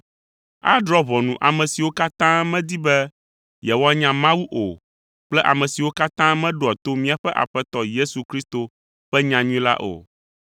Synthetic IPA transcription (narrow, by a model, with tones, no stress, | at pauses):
a̰˦d̪ɾɔ˦βɔ˨nũ˨ʔa˨mɛ̃˨si˨wo˦ka˦t̪ã˦mɛ̃˦d̪i˦bɛ˦ | jɛ˨wɔ˦a˦ɲã˨mã˦wu˦ʔo˨ | k͡plɛ˦ʔa̰˨mɛ̃˨si˨wo˦ka˦t̪ã˦mɛ̃˦ɖo˨a˨t̪o˦mĩ˦a˨ɸɛ˦ʔa̰˨ɸɛ˦t̪ɔ˦je˦su˨kɾi˦st̪o˨ | ɸɛ˦ɲã˨ɲũ˦ĩ˦la̰˦ʔo̰˨